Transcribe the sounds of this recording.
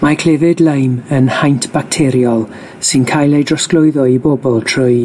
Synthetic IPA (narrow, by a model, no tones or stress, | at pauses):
makʰl̥ɛvɪdlˠəjmənhajntʰb̥ak̚tʰɛɾjɔlˠ | sɨnkʰajlˠejdrɔsklˠʊɨðɔibɔbɔlˠtʰrʊj